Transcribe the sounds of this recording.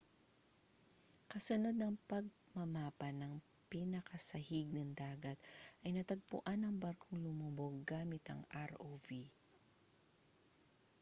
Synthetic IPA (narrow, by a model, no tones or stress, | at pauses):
kɐsʊnod̪̚nɐŋpɐɡ̚ | mɐmaːpɐnɐŋ | pinɐkʰɐsɐhiɡ̚nɐŋd̪aːɡɐt̪̚ʔɐjnɐt̪ɐɡ̚pʊ̰ʔanɐŋbaɾkʰoŋlʊmuboɡaːmɪt̪ɐ̰ŋʔaɾovi